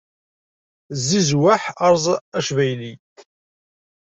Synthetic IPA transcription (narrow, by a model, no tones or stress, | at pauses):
zːizwaħɑɾˤzˤæʃvæjli